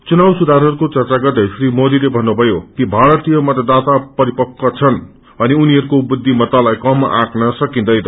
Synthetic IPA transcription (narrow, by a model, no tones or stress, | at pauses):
t͡sunawsud̪ʱaɾɦʌɾukot͡sʌrt͡saɡʌt̪esrimod̪ilebʱʌnːubʱʌjokibʱaɾʌt̪ijʌmat̪ʌd̪at̪apʌɾipʌkːʌt͡sʰʌn | ʌniuniɦʌɾukobud̪ʱːimʌt̪alajkʌmã̰knʌsʌkĩnd̪ʌjt̪ʌ